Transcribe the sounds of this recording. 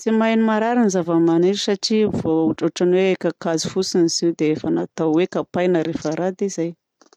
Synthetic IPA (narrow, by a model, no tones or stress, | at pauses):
t͡simajnimaɾaɾinizavəmaniɾisaʈ͡ʂivouʈ͡ʂoʈ͡ʂanweekəkazi̥fusiniziwd̪eefənat̪awwekapajnəɾefaɾad̪izaj